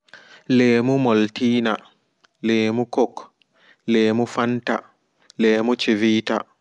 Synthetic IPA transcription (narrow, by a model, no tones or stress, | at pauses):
leːmumɔltiːna | leːmukɔk | leːmufanta | leːmut͡ʃiviːta̰